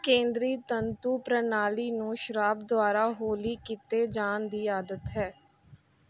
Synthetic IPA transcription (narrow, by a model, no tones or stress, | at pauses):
kẽːnd̪ɾiːt̪ənt̪uːpɾənaːliːnũːʃəɾaːbd̪ʊaːɾaːɦoːliːkit̪eːd͡ʒaːnd̪iːaːd̪ət̪ɦɛː